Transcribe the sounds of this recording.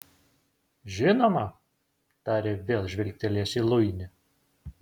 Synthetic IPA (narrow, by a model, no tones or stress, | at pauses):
ʒʲɪnoːmɐ | t̪ɑːɾʲeːʋʲeːlˠʒʲʋʲɪlʲk̚ʲt̪ʲɛlʲiɛsiːlˠʊɪnʲɪ